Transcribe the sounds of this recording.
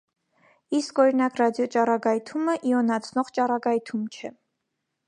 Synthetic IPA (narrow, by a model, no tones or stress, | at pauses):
iskɔɾinɑkrɑd̪jɔt͡ʃɑɾɑɡɑjt̪ʰuməʔiɔnɑt͡sʰnɔʁt͡ʃɑɾɑɡɑjt̪ʰumt͡ʃʰɛ